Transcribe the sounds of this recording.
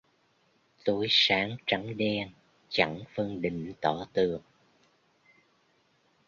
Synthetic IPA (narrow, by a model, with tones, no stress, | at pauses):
t̪o˨˦jsaː˨˦ŋt͡ɕa˨˦ŋɗɛ˧n | t͡ɕa˧˥ŋfə˧ŋɗï˨˩˨ŋ̟t̪ɔ˧˩t̪ɨ˨˩əŋ